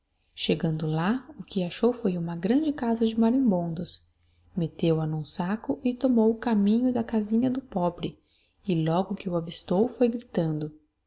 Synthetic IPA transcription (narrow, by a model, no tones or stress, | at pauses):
ʃeɡɐ̃nd̪ʊlaʊkɪaʃowfojũmɐɡɾɐ̃nd͡ʒɪkazɐd͡ʒɪmaɾẽbõnd̪ʊs | met̪ewɐnũsakʊʔɪt̪omowʊkamĩɲʊd̪ɐkazĩɲɐd̪ʊpɔbɾɪ | ɪlɔɡʊkɪʊavist̪owfojɡɾit̪ɐ̃nd̪ʊ